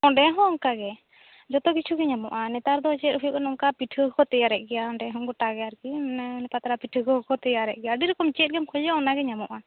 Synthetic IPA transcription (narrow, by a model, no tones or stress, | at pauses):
ɔɖɛɦɔ̃ɔŋkaɡɛ | d͡ʒɔt̪ɔɡit͡ʃʰuɡɛɲamɔʔanɛt̪aɾd̪ɔt͡ʃɛt̪̚ɦujuʔɛnɔŋkapiʈʰɯkɔt̪ɛjaɾɛʔ̚ˀɡɛjaɔɳɖɛɦɔ̃ŋɡɔʈaɡɛaɾkinɛpat̪aɾapiʈʰɯɡɔɔkɔt̪ɛjaɾɛ̰ʔ̚ˀɡɛjaɖiɾɛkɔmt͡ʃɛt̪̚ɡɛmkʰɔlɔɔnaɡɛɲamɔʔa